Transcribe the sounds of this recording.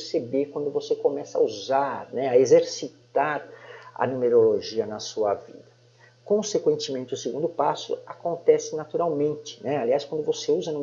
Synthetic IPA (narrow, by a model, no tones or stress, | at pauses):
ɾsebekwɐ̃nd̪ʊvosekomɛsɐ̰uzaɾnɛɐezeɾsit̪aɾɐ̰nũmeɾoloʒiɐnɐsuɐ̰vḭd̪ɐ | kõsekwẽnt͡ʃɪmẽnt͡ʃɪʊseɡũnd̪ʊpasʊ̰akõnt̪ɛsɪnat̪uɾawmẽnt͡ʃɪ̥nɛaliaskwɐ̃nd̪ʊvoseuzɐnum